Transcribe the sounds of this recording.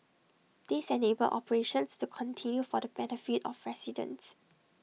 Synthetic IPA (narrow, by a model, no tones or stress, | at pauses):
d̥esɛ̃nebəlʔɔpəɹeʃə̃nstukʰɔ̃ntʰĩnjufɔdəbɛnəfitɔ̰fɹɛsidə̰̃ns